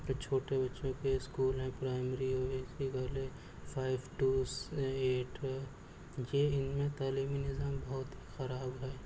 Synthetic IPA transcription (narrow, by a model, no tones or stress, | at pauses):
t͡ʃʰoːʈebɐtːʃõkeɪskuːlɦɛ̃pɾaːɪmɾioʋesiɡɐːle | fʰaːɪbʈuːseːʈɦɛ | jeɪnmẽt̪aːliːminɪzaːmbɐɦʊt̪ɦixɐɾaːbɦɛː